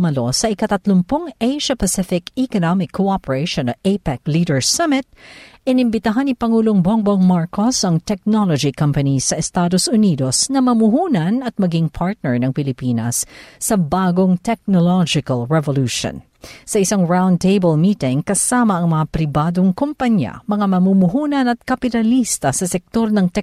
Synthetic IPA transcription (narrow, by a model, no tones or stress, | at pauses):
mɐlo̞sɐʔɪkɐt̪ɐt̪lʊmpʊŋʔejʃɐpɐsɪfɪkikonamɪkʰːoʔapɛɹeɪʃonɐʔepɛklid̪ɛɹsɐmɪt̪̚ʔɪnɪmbɪt̪aɦɐnːipɐŋuːloŋboŋboŋmaɹkosɐŋt̪ɛk̚nolod͡ʒikɐmpɐnisɐʔɛst̪aːd̪osʊniːd̪osnɐmɐmʊhuːnɐnɐt̪̚mɐɡiŋpʰaɹt̪̚nɛɹnɐŋpɪlɪpiːnɐsːɐbaːɡoŋt̪ɛk̚nolɔd͡ʒɪkɐlɹɛvoluːʃo̰n | sɐʔɪsaŋɹãwnd̪t̪ejbəlmiːt̪ɪŋkɐsaːmɐʔɐŋmɐŋapɾɪbaːd̪oŋkompɐɲjɐ̰mɐŋamɐmumʊɦuːnɐnɐt̪̚kɐpɪt̪ɐlist̪ɐsɐsɛk̚t̪o̞ɾnɐŋt̪ɛ